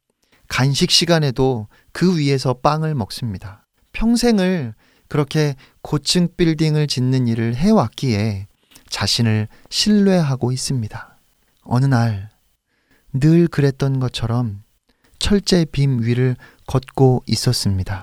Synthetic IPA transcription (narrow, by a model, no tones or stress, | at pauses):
kanɕʰik̚ɕ͈iɡane̞do | kɯɥie̞s̬ʰʌp͈aŋɯɭmʌk̚s͈ɯmɲida | pʰjʌŋsʰe̞ŋɯɭ | kɯɾʌkʰe̞ | kot͡ɕʰɯŋp͈iɭdiŋɯɭt͡ɕinːɯniɾɯɭɦe̞wak͈ie̞ | t͡ɕaɕʰinɯɭ | ɕʰiɭːwe̞ɦaɡois͈ɯmɲida | ʌ̰nɯnaɭ | nɯɭkɯɾe̞t̚t͈ʌnɡʌt͡ɕʰʌɾʌm | t͡ɕʰʌɭt͡ɕ͈e̞pimɥiɾɯɭ | kʌt̚k͈ois͈ʌs͈ɯmɲida